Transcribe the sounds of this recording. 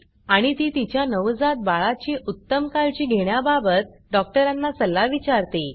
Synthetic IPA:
aɽ̃it̪iːt̪it͡ɕjanəʋd͡zat̪̚baɭat͡ɕiːʔut̪ːəmkalt͡ɕiːɡʱeɽ̃jababət̪ɖɔk̚ʈəɾanːasəlːaʋit͡ɕaɾt̪i

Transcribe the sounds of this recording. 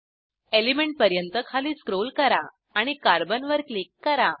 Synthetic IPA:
elimeɳʈ̚pəɾjənt̪əkʰaliːskɾolkəɾaː | ɽ̃ikaɾbənʋəɾklikːəɾa

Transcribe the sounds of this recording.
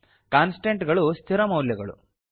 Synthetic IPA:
kaːnsʈeɳʈɡɐɭust̪ʰiɾɐmɐwljɐɡɐɭṵ

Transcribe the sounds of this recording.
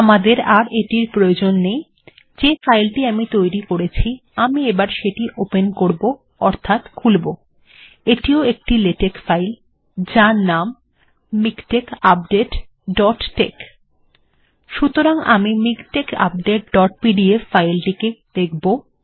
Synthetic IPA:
amad̪eɾaɾeʈiɾpɾojod͡ʑonːej | d͡ʑefajlʈiamit̪ojɾikoɾet͡ɕʰiamiebaɾʃeʈiʔopenkoɾbo | ɔɾt̪ʰat̪kʰulbo | eʈioek̚ʈileʈekfajl | d͡ʑaɾnamː | ikʈekap̚ɖeʈ | ɖɔʈːek | ʃut̪oɾaŋamimikʈeka̰p̚ɖeʈ̚ɖɔʈ̚piɖiefːajlʈiked̪̥ekʰbo

